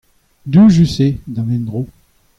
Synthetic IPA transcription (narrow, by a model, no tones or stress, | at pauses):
d̪øʒysed̪ãnɛ̃nd̪ʁo